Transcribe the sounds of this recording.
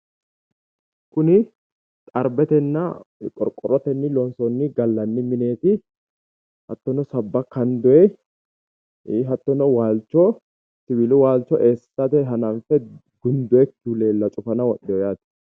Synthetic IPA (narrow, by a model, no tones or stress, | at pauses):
kʊnɪ | t̪ʼɐɾbɛt̪ɛnːɐkʼɔɾkʼɔɾɔt̪ɛnːɪlɔnsɔnːɪɡɐlːɐnːɪmɪne̞ːt̪ɪ | hɐt̪ːɔnɔsɐbːɐkɐnd̪ʊɛ | ɦɐt̪ːɔnɔwaːlt͡ʃːɔ | sɪbɪlʊwaːlt͡ʃːɔʔeːsːɐt̪ɛɦɐnɐnfɛ | ɡʊnd̪ʊɛkːule̞ːlːɐt͡ʃʼʊfɐnɐwɔɗɛjɔjaːt̪ɪ̥